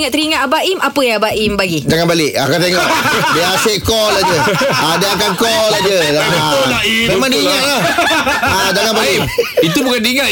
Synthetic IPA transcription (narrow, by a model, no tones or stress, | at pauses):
ŋaʔt̪əɾiŋãʔabaʔimapəjãabaʔimbaɡid͡ʒaŋanbalɪk̚a̰kat̪̬eŋɔʔdiaseʔkɔlad͡ʒəadiak̬ankɔlad͡ʒəaamemãŋdiːŋaʔla | ad͡ʒaŋanbalɪit̪ubukandiiŋaʔ